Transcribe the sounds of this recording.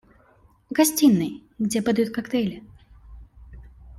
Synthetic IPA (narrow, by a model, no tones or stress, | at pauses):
ɣasʲt͡sʲinːɨjɡd͡zʲɛpɨd̪ajut̪kakt̪ɛlʲɪ